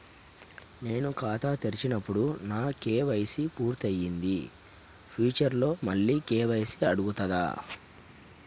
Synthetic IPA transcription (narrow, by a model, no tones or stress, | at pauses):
ne̞ːnukaːt̪at̪eɾit͡ʃinɐpːuɽunaːkeːʋɐjsipuːɾt̪ɐjːind̪i | pʰiːt͡ʃɐɾlo̞ːmɐɭːiːkeːʋɐjsiɐɽuɡut̪ɐd̪a̰ː